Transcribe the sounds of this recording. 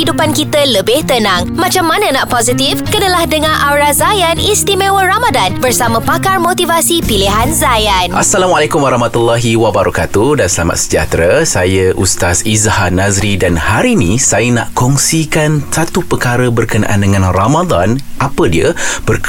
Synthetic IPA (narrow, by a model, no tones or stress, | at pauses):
idupankit̪ələbɪht̪ənãŋmãt͡ʃamːanə̃naʔpozit̪ifkənəlahdəŋãnʔawɾazajanist̪imẽwəramadanbərsamə̃pakarmot̪ivasipiliɦanzajanʔasːalamalakumwaɾɑhmat̪ulːaɦiwabaɾakat̪udansəla̰ma̰t̪̚sə̥d͡ʒa̰t̪ɾasajəʔust̪asizhanazɾidanhaɾinĩsajəna̰ʔkɔŋsikansat̪upəkaɾəbərkəna̰ʔa̰ndəŋãnramad̪anʔapədiəb̥ərk